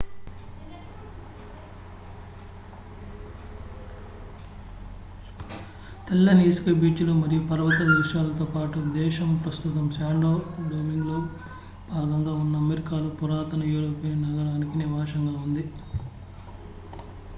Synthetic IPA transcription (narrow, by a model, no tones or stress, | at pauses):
t̪ɛlːɐniːsu̥kɐbiːt͡ʃuloːmɐɾijupɐɾɐʋɐt̪ɐd̪ɐɾiʃaːlɐt̪oːpaːʈud̪ɛːʃɐmpɾɐst̪ut̪ɐmsaːɳɖoːɽoːmiŋɡloː | b̥ʱaːɡɐŋɡaːunːɐːmeɾikaːluːpuɾaːt̪ɐnɐjuːɾoːpinnɐɡɐɾaːnikiniʋaːʂɐŋɡaːund̪i